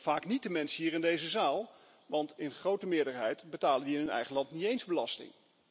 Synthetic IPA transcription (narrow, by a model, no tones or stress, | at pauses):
v̥aːknit̚dəmɛnsɦiːɹɪndejzəzaːlˠ | ʋɑntɪnχrowtəmɪːɹdəɹɦɛjtbətaːləndiɪnɦɵnɛ̰jχənlɑntnitejnzbəlɑstɪ̰ŋ